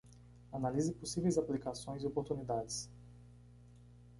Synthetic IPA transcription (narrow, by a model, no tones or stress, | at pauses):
analizɪposivejzaplikasõj̃ziopoɾt̪unid̪ad͡ʒɪs